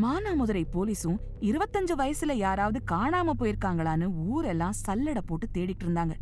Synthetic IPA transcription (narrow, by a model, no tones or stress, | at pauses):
maːnaːmʊðɐɾɐɪpoːliːsʊ̃ | ɪɾɯʋɐt̪ːɐɲd͡ʒɯʋɐjɐsɪlɐjaːɾaːʋɐðɯkaːɳaːmɐpːoːjɪɾɯkːaːŋɡɐɭaːnɯuːɾɛlːãːsɐlːɪɽɐpːoːʈːɯt̪eːɽɪʈːɯɾɯnd̪aːŋɡɐ